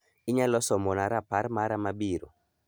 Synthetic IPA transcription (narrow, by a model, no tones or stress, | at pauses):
ɪɲalɔsɔmɔnaɾapaɾmaɾamabiɾo̰